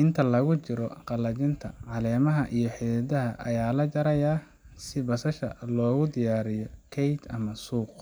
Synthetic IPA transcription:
ʔɪnt̪ʰɐlɐɣʊt͡ʃɪɾɔqɑlɐt͡ʃɪnt̪ʰɐ̰ʕɑlɛːmɐɦɐʔijɞħiðɐd̪ɐɦɐʔɐjaːlɐt͡ʃɐɾɐjaː | sɪbɐsɐʃɐlɔːɣʊd̪ɪjaːɾɪjɔkʰɛjt̪ɐmɐsuːq

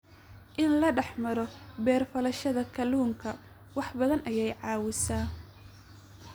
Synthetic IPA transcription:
ʔɪnlɐɖɑħmɐɾɔbɛːrfɐlɐʃɐðɐkʰɐluːŋkʰɐ | wɑħbɐðɐnʔɐjɛjʕɑːwɪsaː

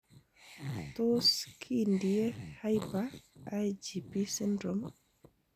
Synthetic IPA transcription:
toskʰindiehajpaajd͡ʒipisindɾom

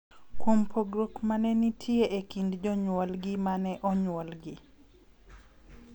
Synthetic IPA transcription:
kwompʰoɡɾokmanɛnitʰjeʔekindd͡ʒɔɲwɔlɡɪmanɛʔɔɲwɔlɡɪ

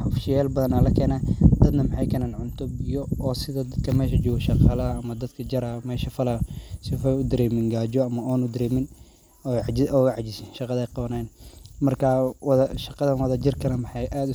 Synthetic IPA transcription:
ʊfʃjɛːlbɐðɐnɐlɐkʰɛːnaːd̪̥ɐd̪nɐmɑħɑjkʰɐnaːnʕʊnt̪ʰɔbɪjɔɔːsɪðɐd̪ɐd̪kʰɐmɛːʃɐd͡ʒɔːɣɐʃɑqɑːlɐɐːmɐd̪ɐd̪kʰɐd͡ʒɐɾɐmɛːʃɐfɐlɐsɪfʊd̪ɐɾɛːmɪŋɡaːd͡ʒɔɐmɐɔːnʊd̪ɐɾɛːmɪn | ɔʕd͡ʒɪɔːʕɑd͡ʒɪsɪnʃɑqɑðɛjqɑβɐnajnmɐrkʰɐwðʃɑqɑðɐnwɐðɐd͡ʒɪrkʰɐnɐmɑħɑjʔaːd̪ʊ

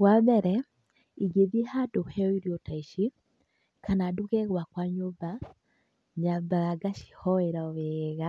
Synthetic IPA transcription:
wabɛɾɛ | iɡeðiɛhadohɛɔiɾiɔtaiʃi | kanaːduɣɛɣwakwaɲoba | ɲabaɣaɡaʃi̥hɔeɾaɔweɣa

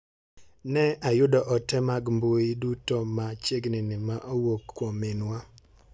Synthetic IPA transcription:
nɛajʊdɔʔɔtɛmaɡmbojidutɔmat͡ʃeɡnɪnɪmaʔowokːwomɪnwa

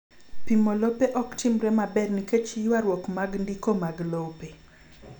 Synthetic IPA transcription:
pimolopeʔɔktimɾɛmabɛrniket͡ʃijwaɾwɔkmaɡndikomaɡlope

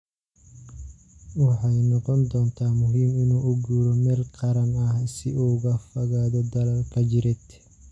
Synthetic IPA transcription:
wɑħɑjnɔqɔnd̪ɔːnt̪ʰaːmʊɦiːmɪnuːʔʊɡuːɾɔmɛːlqɑɾɐnɐhsɪʔuːɣɐfɐɣaːðɔd̪ɐlɐlkʰɐt͡ʃɪɾɛt̪

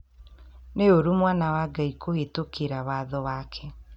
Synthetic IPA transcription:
neoɾumwanawaɡaikʰohetokʰeɾawaːðɔwakʰɛ

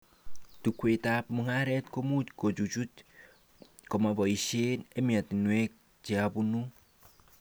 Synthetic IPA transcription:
tukwetap̚muŋaɾɛtkomutkot͡ʃut͡ʃut | kɔmabɔiʃenemiatinwek̚ | t͡ʃiabunu

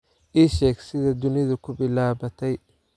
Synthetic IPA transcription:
ʔiːʃɛːɡsɪðɐd̪ʊnɪðʊkʰʊbɪlaːβɐt̪ʰɛj

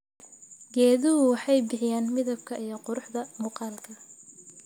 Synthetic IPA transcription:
ɡɛːðʊɦʊwɑħɑjbɪħɪjaːnmɪðɐbkʰɐʔijɞqʊɾʊħðɐmʊːqɑːlkʰɐ

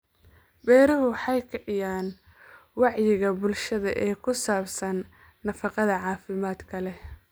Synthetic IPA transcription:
bɛːɾɐɦʊwɑħɑjkʰɛʕɪjaːn | wɑʕjɪɣɐbʊlʃɐðɐʔɛːkʰʊsaːbsɐnː | ɐfɑqɑðɐʕɑːfɪmaːd̪kʰɐlɛ

